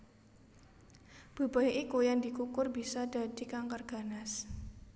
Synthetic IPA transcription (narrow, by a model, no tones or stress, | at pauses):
b̥ṳb̥ajʔikujand̪i̤kukʊrbisad̥a̤d̥i̤kaŋkərɡ̥a̤nas